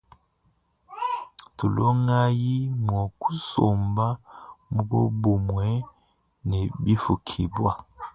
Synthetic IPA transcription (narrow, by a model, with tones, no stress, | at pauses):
tu˨lo˦ŋa˦ji˦mwɔ˨ku˦so˨mba˦mu˦bo˦bo˨mwɛ˨˦ | nɛ˨bi˦fu˨kʰi˨bwa˦